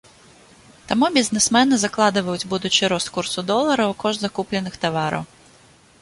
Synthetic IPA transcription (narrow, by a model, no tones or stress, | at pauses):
t̪amubʲiznɛsmɛnɨzaklˠad̪ɨvɐjud͡zʲbud̪ut͡ʃɨɾɔst̪kursud̪ɔlˠɐɾɐwkɔʐd̪zakuplʲɛnɨxt̪avaɾɐ̰w